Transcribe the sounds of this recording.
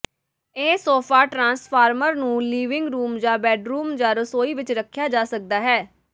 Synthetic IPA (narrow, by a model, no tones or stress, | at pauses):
eːsoːpʰaːʈɾãːnspʰaːɾməɾnũːliːʋɪ̃ŋɡɾuːmd͡ʒãːbɛːɖɾuːmd͡ʒãːɾʊsoːiːʋɪt͡ʃɾəkʰːjaːd͡ʒaːsək̚d̪aːɦɛː